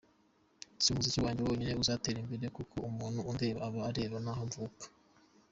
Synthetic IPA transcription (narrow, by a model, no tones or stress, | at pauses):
siumuzicuwaːɲɟewoɲineuzaːteɾimbeɾe̞kukʰo̞umuːnuundeβaaβaːɾeβanaɦaɱvukḁ